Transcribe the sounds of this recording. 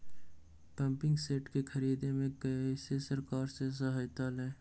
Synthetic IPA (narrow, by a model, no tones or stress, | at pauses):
pɐ̃mpɪ̃ŋɡseːʈkekʰɐɾiːd̪emẽkəisesəɾkaːɾses̬əɦaːjt̪aːlɦɛ̃ː